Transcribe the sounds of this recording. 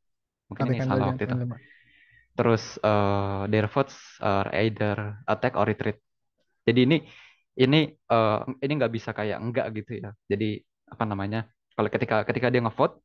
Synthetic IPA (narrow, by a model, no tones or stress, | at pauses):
muŋkɪnsalawak̚t̪uit̪u | t̪əɾʊsəːdeɾfɔt̪sər̰a̰jdərət̪ɛko̰ɾit̪ɾɪt̪̚ | d͡ʒadiːni | iniʔəiniŋɡaʔbisakaja̰ʔŋɡa̰ʔɡit̪ujad͡ʒadi | apanamaɲa | kalokət̪ikakət̪ikadiaŋəfɔt̪̚